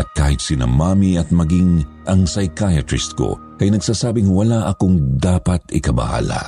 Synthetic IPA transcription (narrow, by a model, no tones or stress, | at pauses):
ʔɐt̪̚ka̰ːhɪt̪̚sɪnɐ̰maːmiɐt̪̚mɐɡiŋ | ʔɐŋsɐjkajɐt̪ɾɪst̪̚ko̰ | kɐjnɐɡsaːsaːbɪŋwɐlaʔɐkoŋd̪aːpɐt̪ɪkɐbɐ̰ha̰ːla̰